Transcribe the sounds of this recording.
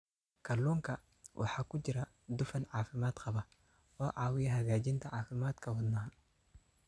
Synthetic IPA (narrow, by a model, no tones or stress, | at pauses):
kɐlːuːŋkɐ | wʔɑ̰ħakʊd͡ʒɪɾɐ | d̪ʊfɐnʕaːfɪmaːd̪qɐbɐ | ɔːʕaːwɪjɐɦɐɡaːd͡ʒɪnt̪ʰɐʕaːfɪmaːd̪kʰɐwɔd̪nɐɦ